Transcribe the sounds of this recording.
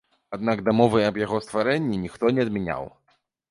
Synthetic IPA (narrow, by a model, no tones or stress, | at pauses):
ad̪̚naɡd̪amɔvɨɐbjaɣɔst̪vaɾɛnʲːinʲixt̪ɔnʲɛɐd̪mʲɛnʲa̰w